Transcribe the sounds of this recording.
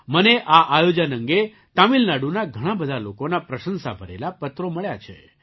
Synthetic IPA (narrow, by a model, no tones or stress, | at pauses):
məneʔaʔajod͡ʒənə̃ŋɡe | t̪amilnaɽunaɡʱəɽ̃ãbəd̪ʱalokonapɾəʃənsa̰bʱəɾḛlapət̪ɾoməɭjat͡ʃʰḛ